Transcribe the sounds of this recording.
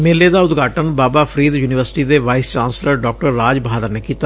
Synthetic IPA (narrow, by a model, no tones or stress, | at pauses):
meːleːd̪aːʊt̪ɡʱaːʈənbaːbaːpʰɾiːd̪juːnɪʋəɾsɪ̥ʈiːd̪eːʋaːɪst͡ʃãːnsləɾɖɔːk̚ʈəɾːaːd͡ʒbaːd̪əɾneːkiːt̪a